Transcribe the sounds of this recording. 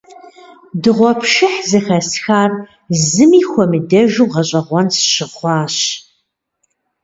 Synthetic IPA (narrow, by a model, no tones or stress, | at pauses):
dɨʁʷɔpʰʃɨħzɨxɐsxaːr | zɨmiːxʷɔmɨdɐʒuːʁɐɕʼɐʁʷɔnsɕɪχʷɑːɕ